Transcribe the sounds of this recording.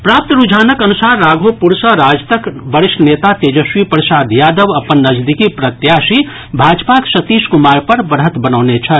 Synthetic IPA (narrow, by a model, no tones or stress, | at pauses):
pɾap̚t̪ɾud͡ʒʱaːnəkənusaɾːaɡʱopuɾsəɾad͡ʒt̪əkbəɾisʈnet̪at̪ed͡ʒəswipɾəsaːd̪jaːd̪əʋɐpənːəd͡ʒd̪ikipɾət̪jasi | bʱad͡ʒpaksət̪iskumaːɾpəɾbəɾɦət̪bənənet͡ʃʰə